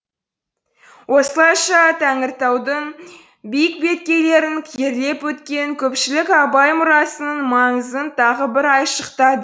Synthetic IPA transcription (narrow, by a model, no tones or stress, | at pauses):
wʔo̞səlˠɑjʃɑt̪ʰæŋɪɾt̪ɑwd̪əɴ | bijɪk̚be̞t̪̚kʲe̞le̞ɾɪŋkʲʰijeɾle̞pwɵt̪kʲe̞ŋkʲʰɵpʃɪlɪkɑbɑjmʊɾɑsənəɴmɑɴəzənt̪ʰɑʁəbɪɾɑjʃəqt̪ɑd̪ə